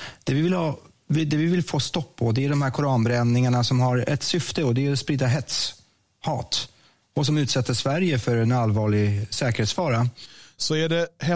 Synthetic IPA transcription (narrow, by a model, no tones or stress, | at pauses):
d̪̥ɛvɪvɪlhɑː | vɪd̪ɛvɪvɪlfoːst̪ɔpːɔd̪ɛæɖɔmhæːɾkʰʊɾɑːnbɾɛnnɪŋaɳasɔmɦaɾɛ̰t̪sʏft̪əɔd̪ɛæɾspɾiːd̪aɦɛt̪s | hɑːt̪ | ɔs̬ɔmʉ̟ːt̪sɛt̪ːəʂvæɾjəfœɾɛnalvɑːɭɪɡsɛːkəɾheːt̪sfɑːɾasɔæɖɛhɛ